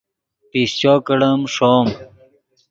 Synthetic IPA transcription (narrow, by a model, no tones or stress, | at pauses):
piːst͡ɕoːkɐɽɐmʂoːm